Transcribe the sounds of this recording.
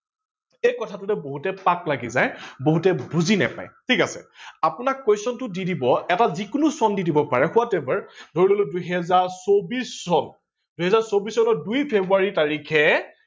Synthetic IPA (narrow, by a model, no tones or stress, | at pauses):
ejkɔtʰatʊtɛboɦutɛpaklaɡḭzajboɦutɛbuzina̰pa̰jtʰikasɛ̰apʊnakːojsɔntʊdidibɔɛtazikʊnusɔndidibɔpaɹɛxʊatɛbaɹdʱoɹiloloduɦɛzaɹsobisːɔn | duɦɛzaɹsobisɔnɔdujpʰebɹuaɹitaɹikʰɛ